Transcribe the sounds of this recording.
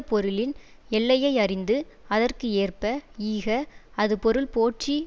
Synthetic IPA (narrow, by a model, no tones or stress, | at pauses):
pɔɾɯlɪn | ɛɭːɐjɐɪɐrɪnd̪ɯ | ɐðɐrkɯeːrpɐiːɣɐɐðɯpɔɾɯɭpoːʈt͡ʃi